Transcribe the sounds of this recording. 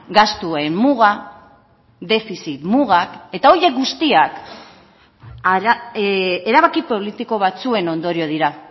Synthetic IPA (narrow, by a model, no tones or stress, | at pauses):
ɡast̪uemmuɣa | d̪e̞fisit̪muɣake̞t̪ao̞je̞k̚ɡust̪iak | ɾa | eɾaβ̞akipo̞lit̪iko̞β̞at͡sue̞no̞nd̪o̞ɾio̞ð̞iɾa